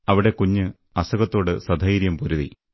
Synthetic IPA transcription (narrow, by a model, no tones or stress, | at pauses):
ɐʋiɽe̞kuɲːɨ | ɐsɐɣɐt̪ːo̞ːɽɨsɐd̪ʱɐjiɾjɐmpuɾuðḭ